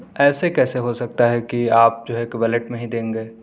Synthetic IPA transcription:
ɛːsekɛːseɦosɐk̚t̪aɦɛkiaːp̚d͡ʒoːeːkʋɛleʈmẽɦĩd̪ẽːŋɡeː

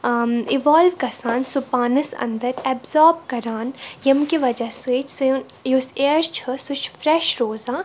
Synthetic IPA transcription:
iʋaːlʋkɐsaːnsʊpaːnəsɐ̰̃nd̪əɾɛbzɔːɾbkɐɾaːnjɐmkiʋɐd͡ʒaset͡ʃʰse | juseːəɾst͡ʃʰəsʊt͡ʃʰfɾɛːʃɾoːzaː

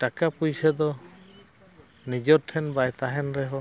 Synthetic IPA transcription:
ʈakapujsad̪ɔ | nid͡ʒɔɾtʰɛnbajt̪aɦɛnɾɛɦɔ

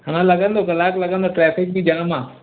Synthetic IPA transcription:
ɦaːñãlɐɡə̃nd̪oɡɐlaːklɐɡə̃nd̪oʈɾɛːfɪk̚bid͡ʑãɽ̃mãː

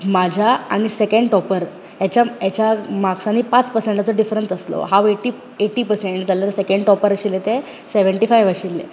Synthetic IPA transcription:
mad͡ʑʱaaɽ̃isekẽɳɖʈɔpəɾ | jat͡ɕjajat͡ɕjamaksanːiːpat͡spəɾseɳʈat͡sɔɖifɾənsəslɔ̰ɦaʋeʈi | eʈiːpəɾseɳʈd͡zaləɾsekẽɳɖʈɔpəɾəɕilet̪e | seʋəɳʈifajʋaɕilːḛ

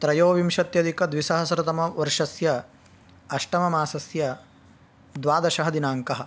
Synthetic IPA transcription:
t̪ɾɐjoːʋimʃɐt̪jɐd̪ikɐd̪ʋisɐɦɐsɐɾɐt̪ɐmɐʋɐɾʂɐsjɐ | ɐʂʈɐmɐmaːsɐsjɐ | d̪ʋaːd̪ɐʃɐɦɐd̪inaːŋkɐɦɐ̆

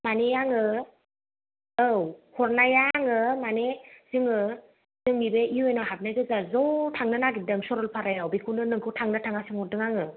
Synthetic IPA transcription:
manejaŋɯ | ɯwhʰɔɾnajaŋɯmanez̥ɯŋɯ | z̥ɯŋibeiɔjnɔɦap̚najɡɯzazɔtʰaŋnɯnaɡidɯŋsɔɾɔlpʰaɾajawbikʰunɯnɯŋkʰɯwtʰaŋnɯtʰaŋasɯŋɔdɯŋaŋɯ

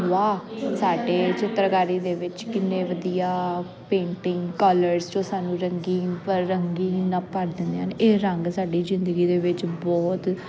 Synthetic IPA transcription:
ʋaːsaːɖeːt͡ʃɪt̪ːɾkaːɾiːd̪eːʋɪt͡ʃkɪnːẽːʋəd̪ijaː | pẽːɳʈɪŋɡkɔləɾst͡ʃõːsaːnũːɾəŋɡiːpəɾːəŋɡiːnapəɾd̪ɪnd̪eaneːɾəŋɡsaːɖiːzɪnd̪əɡiːd̪eːʋɪt͡ʃbɔːt̪

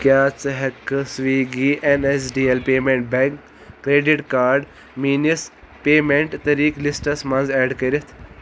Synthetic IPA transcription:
kjaːt͡sɨɦɐkːɨsʋiːɡiːʔenesɖiːelpeːmẽɳʈ̚bẽŋkː | ɾeːɖiʈkaːɾɖ | miːnis | peːmeɳʈt̪ɐɾiːklisʈɐsmɐnzeːɖkɐɾit̪ʰ

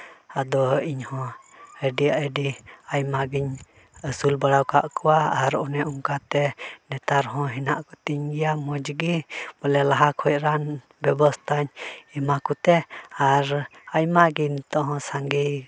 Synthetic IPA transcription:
ad̪ɔiɲhɔ̃ | əɖiaʔəɖiajmaɡiɲ | əsulbaɽawka̰ʔkuwaaɾɔnɛʔuŋkat̪ɛnɛt̪aɾɦɔ̃ɦinaʔkut̪iɲɡijamɔd͡ʒəɡibɔlɛlaɦakʰhɔjɾan | bɛbɔst̪aɲimakut̪ɛaɾajmaɡint̪ɔɦɔ̃saŋɡi

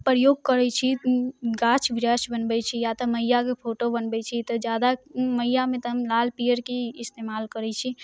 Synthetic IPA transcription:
pɾəjoːɡ̚kəɾɛt͡ʃʰiɡat͡ʃbɾaʃbənbɛt͡ʃʰijat̪əməjakepʰoʈobənbɛt͡ʃʰit̪ɔd͡ʒjad̪aməijamẽt̪əɦəmlalpijəɾkiɪst̪emaːlkəɾɛt͡ʃʰi

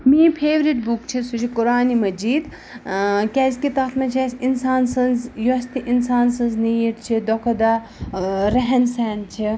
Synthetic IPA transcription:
miːpʰeːʋɾiʈbukt͡ʃʰisut͡ʃʰikʊɾaːnimɐd͡ʒiːd̪ | kʲɛːskit̪ɐt̪ʰmɐt͡ʃʰesʲinsaːnsɐ̃nzjost̪iʔinsaːnsɐ̃nznijiʈt͡ʃʰid̪ɔkʰɐd̪a | ɾɐɦɛnsɛːnt͡ʃʰi

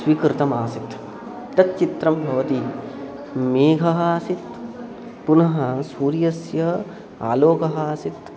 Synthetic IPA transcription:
sʋikɾɪt̪ɐmaːsit̪ | t̪ɐt̪̚t͡ʃit̪ɾɐmbʱɐʋɐt̪i | meːɡʱɐɦaːsit̪ | punɐɦɐsuːɾjɐsjɐ | a̰ːloːkɐɦaːsit̪

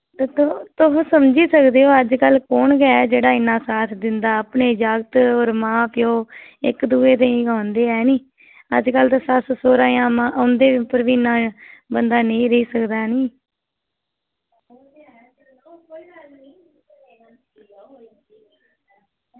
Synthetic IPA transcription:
t̪eːt̪t̪ʊɦsəmd͡ʒiːsəkd̪eːɦoːəd͡ʒkəlkoːɳɡɛd͡ʒeːɽaːɪnːãːsaːt̪ʰd̪ɪnd̪aːəpneːd͡ʒaːɡt̪oːɾmãːpʰjoːɪ̰kd̪uːeːt̪̬eĩːɡãːnd̪eːɛːnĩː | ə̰d͡ʒkəlt̪ːsassoːɾãːjãːmãːʔʊnd̪eːɪpəɾʋiːɪnːãːbənd̪aːneĩːɾəiːsəkd̪aːniː

